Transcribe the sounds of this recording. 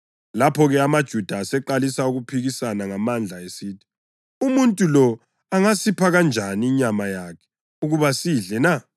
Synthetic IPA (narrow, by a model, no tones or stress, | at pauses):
lapʰɔɣɛamad̥ʒ̥ʱud̥ʱaːsɛǃalisauɣupʰiɣisanaŋamand͡ɮʱaesiːtʰi̥ | umuntʼulɔ | aŋasipʰaɣand͡ʒʱaniːɲamajakʰɛ̥ | uɣuβasiɮɛna